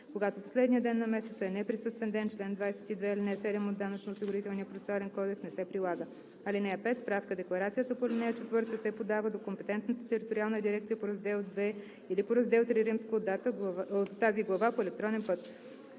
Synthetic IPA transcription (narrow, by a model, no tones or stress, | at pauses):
koɡat̪opo̥slɛd̪niəd̪ɛnːɐmɛsɛt̪səɛnɛpɾisɤst̪vɛnd̪ɛnt͡ʃlɛnd̪vajsɛ̥t̪id̪vɛilinɛsɛd̪ɛmod̪ːanət͡ʃnoːsiɡʊɾit̪ɛlˠniəpɾot̪ɛsoalɛnkɔd̪ɛksnɛsɛpɾilˠaɡə | ɐlinɛəpɛt̪spɾafkəd̪ɛklˠɐɾat̪sijət̪əpolinɛət͡ʃɛt̪vɤɾt̪k̪əsɛpod̪avəd̪okompɛt̪ɛnt̪nət̪ət̪ɛɾit̪oɾialˠnəd̪iɾɛkt̪sijəpoɾɐzd̪ɛlˠd̪vɛ | ilipoɾɐzd̪ɛlˠt̪liɾimskəod̪ːat̪əot̪ːaziɡlˠɐvapoɛlɛk̚t̪ɾɔnɛnpɤt̪